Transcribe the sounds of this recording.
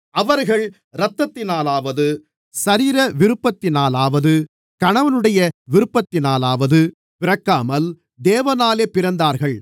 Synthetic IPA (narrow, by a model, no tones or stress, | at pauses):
ʔɐʋɐɾɣɐɭ | ɾɐt̪ːɐt̪ːɪnaːlaːʋɐðɯ | sɐɾiːɾɐʋɪɾɯpːɐt̪ːɪnaːlaːʋɐðɯ | kɐɳɐʋɐnɯɽɐjɐʋɪɾɯpːɐt̪ːɪnaːlaːʋɐðɯ | pɪɾɐkːaːmɐl | d̪eːʋɐnaːleːpɪɾɐnd̪aːɾɣɐɭ